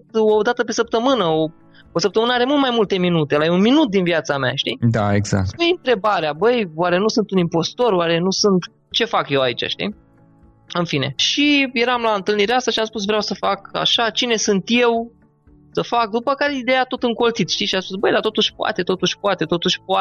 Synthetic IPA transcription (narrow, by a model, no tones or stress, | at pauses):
t̪o̞d̪at̪əpe̞səp̚t̪əmɨnəo | osəp̚t̪əmɨnəaɾe̞mult̪majmult̪e̞minut̪elaeunminut̪̚d̪inviat̪sama̰ʃt̪id̪a̰e̞ɡza̰k̚t̪pujɨnt̪ɾe̞baɾeabəjwaɾe̞nusɨnt̪unimpo̞st̪o̞ɾwaɾe̞nusɨnt̪ | t͡ʃe̞fakje̞wait͡ʃa̰ʃt̪ḭ | ɨnfine̞̰ʃije̞ɾamlaɨnt̪ɨlniɾeast̪aʃiamspus̬vɾeawsəfaka̰ʃat͡ʃine̞sɨnt̪je̞w | səfak̚d̪upəkaɾe̞id̪ejat̪o̞t̪ɨŋko̞lt̪sit̪ʃt̪iʃiamspusbəjd̪at̪o̞t̪uʃʲpoa̰t̪e̞t̪o̞t̪uʃʲpoat̪e̞t̪o̞t̪uʃʲpoa